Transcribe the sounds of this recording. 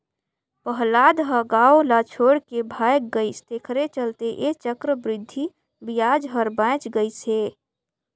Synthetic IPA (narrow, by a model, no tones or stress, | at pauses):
pəɦlaːd̪ɦəɡaːolat͡ʃʰoːɽkebʱaːjk̚ɡəist̪ekʰəɾet͡ʃəlt̪eʔet͡ʃəkɾəbɾɪd̪ʱːi | bijaːd͡ʒɦəɾbãt͡ʃɡəise